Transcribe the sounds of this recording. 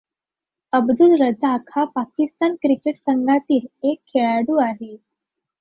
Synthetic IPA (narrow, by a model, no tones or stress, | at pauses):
əbd̪ulɾəd͡zaːkʰapakist̪ankɾikeʈsəŋɡʱat̪iːlekʰːeɭaɽuːaɦe